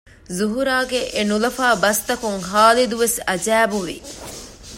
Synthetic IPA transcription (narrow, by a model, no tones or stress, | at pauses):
zuɦuɾaːɡeʔenulɐfaːbɐst̪ɐkuŋɦaːlid̪uʋesɐd͡ʒæːbuʋḭ